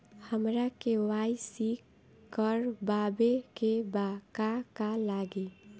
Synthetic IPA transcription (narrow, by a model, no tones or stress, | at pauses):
həmɾakewajsikː | əɾbabekebakakalaɡe